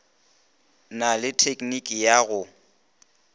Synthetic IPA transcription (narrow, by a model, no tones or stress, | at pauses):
nalɪtʰekʼnikʼijaɣʊ